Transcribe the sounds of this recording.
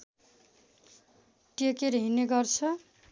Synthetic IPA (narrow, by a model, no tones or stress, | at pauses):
ʈiekeɾʌɦineɡʌrt͡sʰʌ